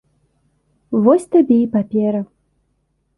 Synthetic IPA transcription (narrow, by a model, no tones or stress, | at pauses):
vɔsʲt̪abʲɛipapʲɛɾɐ